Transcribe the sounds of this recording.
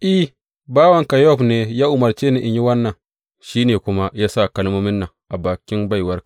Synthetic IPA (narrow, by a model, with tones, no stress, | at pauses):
ʔi˦ | baː˦wɐ˨ŋka˨jɔ˦˨ɸneː˨jaː˦ʔʊ˨mɐ˨ɾt͡ʃe˦ne˨ʔɪ˨ɲji˦wɐ˦nːɐ˨ŋ | ʃiː˦neː˨kʷʊ˦ma˦jaː˦sa˦˨kɐ˦lmo˦mɪ˦nːa˨ʔa˨baː˨kʲɪ˦nba˦˨jwɐ˦ɾk